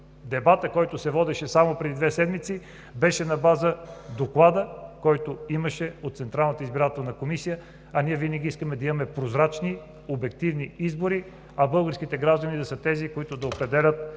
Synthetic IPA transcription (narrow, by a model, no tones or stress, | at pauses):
d̪ɛbat̪əkɔjt̪ʊsɛvɔd̪ɛʃɛsamopɾɛd̪id̪vɛsɛd̪mit̪si | bɛʃɛnɐbazəd̪oklˠad̪əkɔjt̪oiməʃɛot̪t̪sɛnt̪ɾalˠnət̪əizbiɾat̪ɛlˠnɐkomisijə | ɐniɛvinəɡʲiiskəmɛd̪ɐimɐmɛpɾozɾat͡ʃni | obɛkt̪ivniizboɾi | ɐbɤlˠɡəɾsk̟it̪ɛɡɾaʒd̪ɐnid̪ɐsət̪ɛzikoit̪ʊd̪ɐopɾɛd̪ɛlʲət̪̚